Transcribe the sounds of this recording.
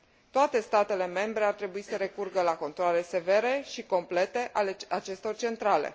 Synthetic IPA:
t̪oat̪e̞st̪at̪e̞le̞me̞mbɾe̞art̪ɾe̞buisəɾe̞kurɡəlako̞nt̪ɾoale̞se̞ve̞ɾe̞ʃiko̞mple̞t̪e̞ʔalat͡ʃe̞st̪o̞rt͡ʃe̞nt̪ɾalḛ

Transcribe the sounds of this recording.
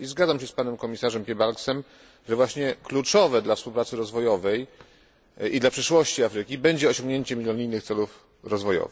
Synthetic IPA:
izɡad̪zamɕɛspanɛmkɔmʲisaʐɛmpʲjɛbalksɛm | ʐɛvwaɕɲɛklut͡ʂɔvɛd̪lafspuwpɾat̪sɘɾɔzvɔjɔvɛj | id̪lapʂɘʂwɔɕt͡ɕiafɾɘkʲibɛɲd͡ʑɛɔɕɔ̃ŋɡɲeɛɲt͡ɕɛmʲilʲjɔɲijnɘxkt̪sɛluf | ɾɔzvɔjɔ̰vx

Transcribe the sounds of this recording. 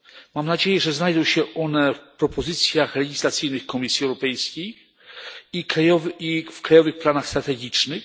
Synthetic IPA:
mamnad͡ʑejɛʐɛznajd̪ɔ̃w̃ɕɛʔɔnɛfpɾɔpɔzɘt̪sʲjaxlɛɡʲislat̪sɘjnɘxkɔmʲisʲjiɛwɾɔpɛjskʲej | ikɾajɔvifkɾajɔvɘxplanaxst̪ɾat̪ɛɡʲit͡ʂnɘx

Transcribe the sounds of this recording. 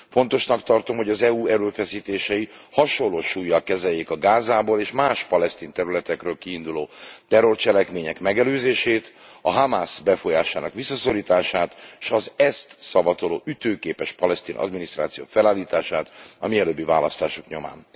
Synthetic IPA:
fo̞nt̪o̞ʃnɒkt̪ɒrt̪o̞mhoɟɒzɛuːɛɾøːfɛsiːt̪eːʃɛihɒʃolːoːʃuːjːɒlkɛzɛjːeːkɒɡaːzaːboːleːʃmaːʃpɒlɛst̪iːnt̪ɛɾylɛt̪ɛkrøːlkiːnd̪uloːt̪ɛro̞rt͡ʃɛlɛkmeːɲɛkmɛɡɛløːzeːʃeːt̪ɒɦamaːsbɛfo̞jaːʃaːnɒkʋisːɒso̞ɾiːt̪aːʃaːt̪ʃɒzɛst̪sɒbɒt̪olo̰ːʔyt̪øːkeːpɛʃpɒlɛst̪iːnɒ̰d̪minist̪ra̰ːt̪sijo̰ːfɛlaːlːiːt̪aːʃaːt̪ɒ̰miɛløːbːivaːlɒst̪aːʃokɲo̞ma̰ːn

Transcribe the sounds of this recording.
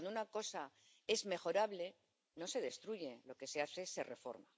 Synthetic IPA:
nounako̞sa | e̞zme̞xo̞ɾaβle̞ | no̞se̞ðe̞st̪ɾuʝe̞lo̞ke̞se̞aθe̞se̞re̞fo̞̰ɾma̰

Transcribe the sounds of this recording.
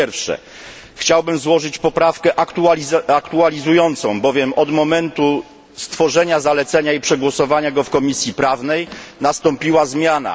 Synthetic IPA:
ɛɾfʂɛ̰ | xt͡ɕawbɘmzwɔʐɘt͡ɕpɔpɾafkɛʔakt̪uakt̪ualʲizujɔnt̪sɔ̃w̃bɔvʲjɛmɔd̪mɔmɛnt̪u | st̪fɔʐɛɲazalɛt̪sɛɲaipʂɛɡwɔsɔvaɲaɡɔfkɔmʲisʲjipɾavnɛjnast̪ɔ̃mpʲiwazmʲjana̰

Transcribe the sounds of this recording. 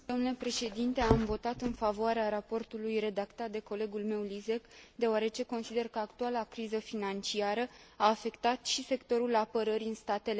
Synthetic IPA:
d̪omnule̞pɾe̞ʃe̞d̪int̪e̞amvo̞t̪at̪ɨnfavoaɾeaɾapo̞rt̪ulujre̞d̪akt̪at̪̚d̪e̞ko̞le̞ɡulme̞wlize̞kd̪e̞oaɾe̞t͡ʃe̞ko̞nsid̪e̞rkəakt̪ualakɾizəfinant͡ʃiaɾəaːfe̞kt̪at̪ʃise̞kt̪o̞ɾulapəɾəɾiɨnst̪at̪e̞le̞

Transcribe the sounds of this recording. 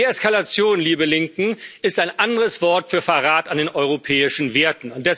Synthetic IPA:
ɛskalat͡sjoːnliːbəlɪŋkŋ̩ɪstaɪnʔandəʁəsv̥ɔɐtfyːɐfɐʁaːtandeːnʔɔʏʁopʰɛːɪʃn̩veːɐtn̩ʊnt̚d̥ɛs

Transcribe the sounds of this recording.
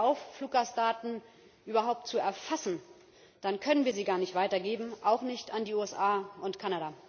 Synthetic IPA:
ʔaʊffluːk̚ɡastd̥aːtn̩ | ʔyːbɐɦaʊp̚tt͡suɛɐfasn̩ | d̥ankʰœnənviːɐziːɡaːɐnɪçtv̥aɪtɐɡeːbm̩ʔaʊxnɪçtandiːuːɛsʔaːʔʊntkʰanaɾaː

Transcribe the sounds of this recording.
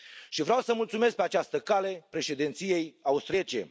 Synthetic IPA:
ʃivɾawsəmult̪sumesk̚peat͡ʃast̪əkale̞pɾe̞ʃe̞d̪int̪sije̞jaust̪ɾiet͡ʃḛ

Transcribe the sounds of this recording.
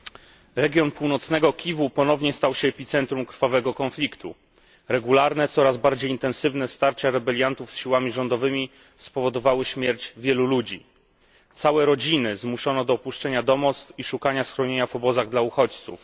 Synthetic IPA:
ɾɛɡʲjɔnpuwnɔt̪snɛɡɔkʲivupɔnɔvɲɛst̪awɕɛːpʲit̪sɛnt̪ɾumkɾfavɛɡɔkɔnflʲikt̪ʰṵ | ɾɛɡulaɾnɛt̪sɔɾazbaɾd͡ʑejint̪ɛ̃nsɘvn̪ɛst̪aɾt͡ɕaɾɛbɛlʲjant̪ufsɕiwamʲiʐɔnd̪ɔvɘmʲi | spɔvɔd̪ɔvawɘɕmʲjɛɾt͡ɕvʲjɛlulud͡ʑi | t̪sawɛɾɔd͡ʑinɘzmuʂɔnɔd̪ɔːpuʂt͡ʂɛɲad̪ɔmɔt̪st̪fiʂukaɲasxɾɔɲeɲavɔbɔzaɣd̪lauxɔt͡ɕt̪sṵf

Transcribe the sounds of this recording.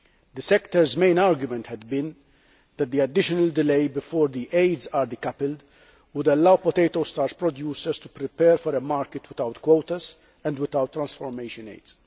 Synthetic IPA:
d̪əsɛkt̪əɾzmẽɪ̃naːɾɡjʊmɛ̃nt̪hɛd̪bɪ̃n | d̪ɛt̪̚d̪iɐd̪ɪʃɔnɐld̪ɪleɪbɪfɔːɾd̪iʔeɪd̪zaːɾd̪ikɐpɪld̪ | wʊd̪ɐlːɐwpɔt̪eɪt̪ost̪aːɾspɾɔd̪juːsəɾst̪u̥pɾɪpɛːɾfɔɾemaːɾkɪt̪wɪt̪ɐwt̪kwowt̪ɐz | ɛ̃nd̪wɪt̪ɐwt̪ːɾɐ̃nsfɔɾmeɪʃə̃nḛɪd̪z̥

